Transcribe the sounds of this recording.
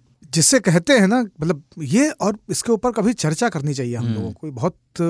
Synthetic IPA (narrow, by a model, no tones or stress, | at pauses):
d͡ʒɪsːekɛɦt̪eɦɛ̃namɐt̪ləb̚jeɔːɾɪskeuːpəɾkɐbʱit͡ʃɐɾt͡ʃakɐɾnit͡ʃaːɦieɦɐmlo̰ːɡõkoibɐɦʊt̪̚